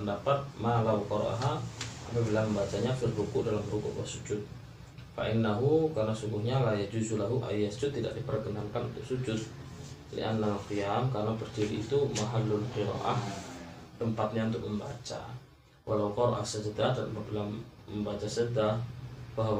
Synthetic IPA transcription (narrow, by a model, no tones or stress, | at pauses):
əndapat̪̚malawqɔɾo̰ʔa̰ɦaa̰mabilaməmbat͡ʃaɲafərbukʊʔdalaməɾukṵʔa̰sud͡ʒʊt̪̚ | fa̰ʔɪnːaɦukarnasuŋɡʊhɲalahjad͡ʒuzulaɦuʔa̰jasu̥d͡ʒʊt̪ːida̰ʔ̚dipərɡənaŋkanunt̪ʊk̚sud͡ʒʊt̪̚lḭʔa̰nːaalqiamkarnapərt͡ʃiɾiːt̪umaɦalːʊlqiɾa̰ʔah | t̪əmpat̪̚ɲaunt̪ʊk̚məmba̰t͡ʃa̰ | wʔalawqɔɾa̰ʔa̰hsəd͡ʒəd̪adanpabilaməmbat͡ʃasədabaɦaw